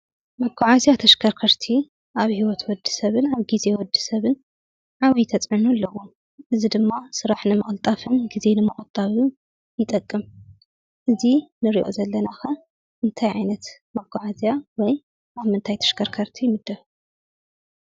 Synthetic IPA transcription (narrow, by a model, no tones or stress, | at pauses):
mɐɡaʕazjat̪ʰɐʃkʰɐɾkʰɐɾt̪ʰi | ʔaβhiwɔt̪wɔd̪ɨ̥sɐβɨnaβɡize̞wɔd̪ɨ̥sɐβɨn | ʕaβit̪ʰɐt͡sʼʕɨnulːɐwo | ʔɨzid̪ɨmːasɨɾaħnɨmɐχʼlt̪ʼafɨnɡize̞nɨmɨχʼɨt̪ʼaβ | jɪt̪ʼɐkʼːɨm | ʔɨzinɨɾḭʔo̰zɐlːɐnaxɐ | ʔɨnt̪ʰajʕajnɐt̪ | mɐɡaʕazjawɔj | ʔaβmɨnt̪ʰajt̪ʰɐ̥ʃkʰɐɾkʰɐɾt̪ʰijmɨd̪ːɐf